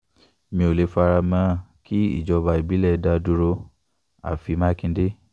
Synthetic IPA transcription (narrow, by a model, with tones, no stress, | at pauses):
mĩ˧o˨le˧˦fa˧ɾa˧mã˦ki˦ḭ˦˨d͡ʒɔ˧ba˧i˨bi˨˦lɛ˦˨˧da˧du˧ɾo˧ | a̰˨fi˧˦mã˦kĩ˧n˦de˦